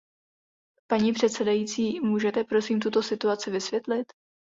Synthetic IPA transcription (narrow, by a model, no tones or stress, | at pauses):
paɲiːpr̝̥ɛt̪sɛdajiːt͡siːmuːʒɛt̪ɛpɾo̞siːmt̪ut̪o̞sɪt̪uat͡sɪvɪsvjɛt̪lɪt̪